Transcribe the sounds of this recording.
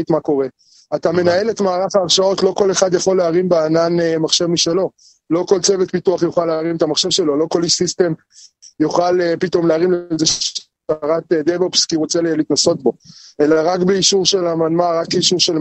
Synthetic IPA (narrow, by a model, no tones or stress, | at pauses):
tmako̞ʁe̞ | at̪ame̞nae̞letmaːʁaχaːʁʃao̞tlo̞ko̞le̞χad̪jaχo̞lːeaʁimbeananemaχʃe̞vmiʃelo̞ | lo̞ko̞lt͡sevetpituaχjuχalːeaʁimet̪amaχʃe̞vʃe̞lo̞lo̞ko̞liʃsist̪e̞m | juχalepito̞mleaʁimlze | aʁat̪ed̪evelpskiʁot͡sellitnaso̞t̚bo̞e̞laʁakbeiʃuʁʃelamanmaʁakeiʃuʁʃel